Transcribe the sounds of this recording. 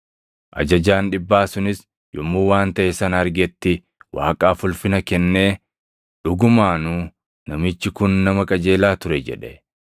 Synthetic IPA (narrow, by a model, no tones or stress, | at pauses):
ʔɐ̰d͡ʒɐd͡ʒaːnᶑɪbːaːsʊnɪs | jɔmːuːwaːnt̪ɐʔɛsɐnɐɾɡɛt̪ːɪ | waːkʼaːfʊlfɪnɐkɛnːe̞ː | ᶑʊɡʊmaːnuː | nɐmɪt͡ʃːɪkʊnːɐmɐkʼɐd͡ʒe̞ːlaːt̪ʊɾɛd͡ʒɛ̰ᶑɛ